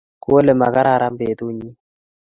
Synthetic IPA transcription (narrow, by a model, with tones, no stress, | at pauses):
ku˦o˦le˨ma˨ka˦ɾa˦˨ɾa˦mbeː˨t̪u˦ɲi˦